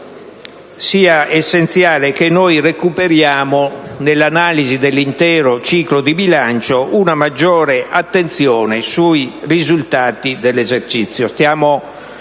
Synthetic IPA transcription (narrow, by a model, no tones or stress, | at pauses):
siːaɛsːent̪sjaːlekenɔːjrekupeɾjaːmonelːanaːlizid̪elːint̪ɛːɾot͡ʃiːklod̪ibilant͡ʃoʔunamad͡ʒːɔːɾeʔat̪ːent̪sjɔːnesuirizult̪aːt̪id̪ɛlːɛzeɾt͡ʃit̪sːjost̪jaːmo